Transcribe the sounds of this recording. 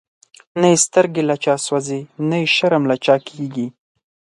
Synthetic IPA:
naist̪əɾɡelat͡ʃɑswazenaiʃaɾamlat͡ʃɑkʰeɡi

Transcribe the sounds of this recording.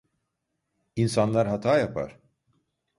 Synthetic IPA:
insanlˠaɾɦat̪ʰaːjapʰa̰ɾ̥

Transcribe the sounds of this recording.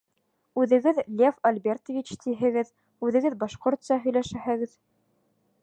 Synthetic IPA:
ʉðɘ̆ɡɘðlʲefɐlʲbʲert̪ovʲit͡ɕt̪ʰiɦɘ̆ɡɘð | ʉðɘ̆ɡɘðbɑʃqoɾt̪sɑɦɵ̆jlæʃæɦæ̆ɡɘð

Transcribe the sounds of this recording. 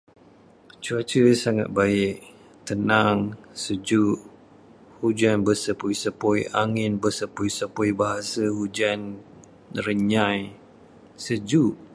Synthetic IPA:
t͡ʃuat͡ʃəsaŋa̰t̪̚baɪʔ | t̪ənaŋsəd͡ʒuʔ | hud͡ʒanbəsəpujsəpɔjaŋɪnbəsəpujsəpujbaɦasəhud͡ʒan | rəɲãj | səd͡ʒuʔ

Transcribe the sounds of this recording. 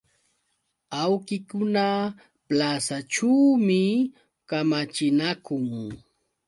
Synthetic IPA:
awkɪkʊna | plasat͡ʃuwmɪ | kamat͡ʃɪnakʊŋ

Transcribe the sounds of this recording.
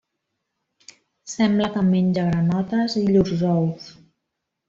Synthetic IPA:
sɛmbləkəmenʲd͡ʒəɣɾənɔt̪əziʎuzzɔws

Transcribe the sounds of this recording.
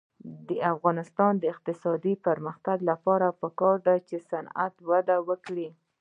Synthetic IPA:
d̪əafɣɑnɪst̪ɑnd̪əɪq̚t̪ɪsɑd̪ipəɾməxt̪aɡlapɑɾapəkɑɾd̪at͡ʃesana̰t̪wad̪awəkɽi

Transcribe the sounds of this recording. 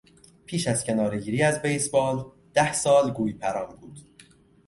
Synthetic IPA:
pʰiːʃæzcʰe̞nɒːɾeɟiːɾiːæzbejsbɒːl | d̪̥æhsɒːlɡuːjpʰæɾɒːnbuːd̪̥

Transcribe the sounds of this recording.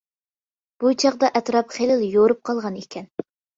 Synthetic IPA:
b̥ut͡ʃʰɑqd̪ɑʔɛt̪ɾɑpχelɪljoɾɨp̚qʰɑlˠʁɑnekʲʰɛn

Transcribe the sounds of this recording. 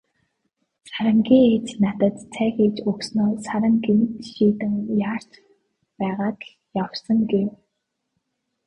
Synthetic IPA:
saɾə̆ŋɡiːŋeːt͡ɕnat̪ə̆t̪t͡sʰæːxit͡ɕɵksnoːsaɾə̆ŋɡenʃiːt̪ɘ̆ŋjaːr̥t͡ɕ | pæːʁaːk | jawsə̆ŋɡew

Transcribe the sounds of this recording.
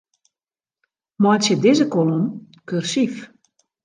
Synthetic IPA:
mɔjtsjədɪzəkolom | kørsif

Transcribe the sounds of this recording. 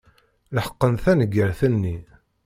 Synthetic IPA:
ləħə̥qːənθænəɡːəɾθənːi

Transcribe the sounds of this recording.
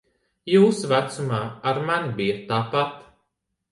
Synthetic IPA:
juːsvæt̪sumaːaɾmanibijat̪ːaːpat̪

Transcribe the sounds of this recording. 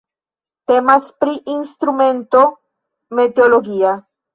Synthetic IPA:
te̞maspɾiʔinst̪ɾume̞nto̞ | me̞teolo̞ɡia

